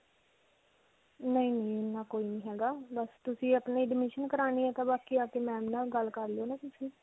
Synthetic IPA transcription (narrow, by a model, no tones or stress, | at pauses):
nəĩːnĩːɪnːaːkoːiːnĩːɦɛːɡaːbəst̪ʊsĩːəpneːɖɪmɪʃənkəɾaːniːɛːt̪ãːbaːkiːaːt̪eːmɛ̃ːnaːlɡəlkəɾleoːnãːt̪ʊsĩː